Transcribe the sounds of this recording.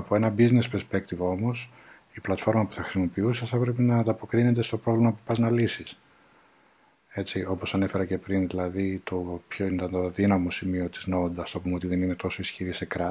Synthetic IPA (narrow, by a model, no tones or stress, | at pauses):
ɐpo̞enɐbizne̞speɾspe̞kt̪ivo̞mo̞s | iplɐt̪fo̞ɾmɐpu̥θɐxɾisimo̞piuseθɐpɾe̞pinɐːnd̪ɐpo̞kɾined̪e̞st̪o̞pɾo̞vlimɐpu̥pɐznɐlisis | e̞t͡ssio̞po̞sɐne̞fe̞ɾɐce̞pɾinðilɐðit̪o̞pço̞inet̪ɐnd̪oðinɐmo̞simio̞t̪izno̞nd̪ɐft̪oɐpumeo̞t̪iðe̞nine̞t̪o̞so̞isçiɾise̞kɾɐ